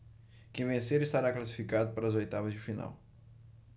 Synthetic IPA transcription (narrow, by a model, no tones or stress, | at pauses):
kẽvẽseɾiʃt̪aɾaklˠɐsi̥fikaðʊpɐɾɐzojt̪avɐzd̪ɪfina̰w